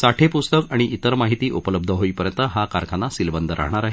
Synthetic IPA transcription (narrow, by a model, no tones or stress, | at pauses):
saʈʰepust̪əkaɽ̃iʔit̪əɾmaɦit̪iːʔupələb̚d̪ʱəɦoiːpəɾjənt̪əɦakaɾkʰanːasilbənd̪ʱəɾʔa̰ɦɳ̃aɾaɦe